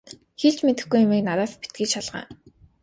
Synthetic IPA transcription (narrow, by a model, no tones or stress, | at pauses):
xeɮt͡ɕmet̪ɘ̆xɡujʊmiːknaɾæːtpit̪̚ɡiːt͡ɕʃaɮʁa̰ː